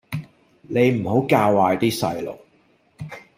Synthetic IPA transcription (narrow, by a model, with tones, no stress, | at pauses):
ne˨˧jm̩˨˩ho˨˥wkaː˧wwaː˨jt̪iː˥sɐ˧jlo̰˨˩w